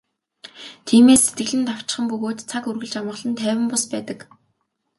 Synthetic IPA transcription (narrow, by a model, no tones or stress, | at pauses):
t̪ʰiːmeːsːet̪ɡɘ̆ɮɘ̆nt̪aw̥t͡ɕɪ̥̆χə̆mpɵɣoːt̪t͡sʰakurɣɘ̆ɮt͡ɕamə̆ʁɮə̆nt̪ʰæːwʲɪ̆mpʊspæːt̪ə̆k